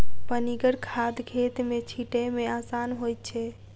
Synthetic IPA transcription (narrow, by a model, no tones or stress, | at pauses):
pəniɡəɽkʰad̪ɡʱet̪met͡ʃʰiʈemeasanɦojt̪̚t͡ʃʰɛ